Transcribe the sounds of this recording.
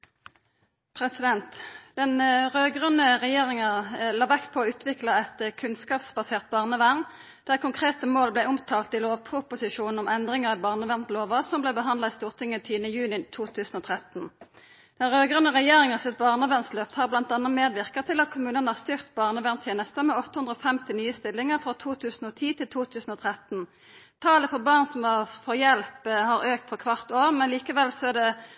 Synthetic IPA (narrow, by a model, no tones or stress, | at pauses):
pʰʁɛsɪd̪ɛnt̪d̪̥ɛnʁøːɡʁʉnəʁɛjeːʁɪŋəlɑːʋækt̪̚pʰɔːʉːt̪ʰʋɪklɑɛt̪kʰʉnskɑːpsbɑseːʁt̪̚bɑːʁnəʋæʁn | d̪̥æːʁkʰʊŋkʰʁeːt̪əmoːlblæɪʊmt̪ʰɑːlt̪ɪloːʋpʰʁʊpʊsɪʃuːnn̩ɔmɛnd̪ʁɪŋəʁɑbɑːʁnəʋæʁnt̪loːʋɑsɔmblɛɪbəɦɑnd̪ɑist̪uːʁt̪ʰɪŋːət̪ʰiːnəjʉːnɪt̪ʰuːt̪ʰʉːsn̩oːt̪ʰʁɛt̪n̩ | d̪̥ɛʁøːɡʁʉnəʁɛjeːʁɪŋɑʁsɪt̪̚bɑʁnɑʋɛnsløːpt̪hɑʁblɑnt̪ɑnɑmeːd̪ʋɪʁkət̪ʰɪlɑt̪̚kʰʊmʉːnənəhɑʁst̪ʏʁt̪bɑːʁnəʋɛnt̪ʰjeːnəst̪əmɛɔt̪əhʉnʁəɔfɛmt̪ɪnyːəst̪ɪlːɪŋəʁfʁɔt̪ʰuːt̪ʰʉːsn̩oːt̪ʰiːt̪ʰɪlt̪ʰuːt̪ʰʉːsn̩ɔːt̪ʰʁɛt̪n | t̪ʰɑːləfɔʁbɑːʁnsɔmɑfɔjɛlphɑʁøːkt̪fɔʁkʰʋɑʁt̪oːʁmɛnliːkəʋɛlsɔæd̪ɛ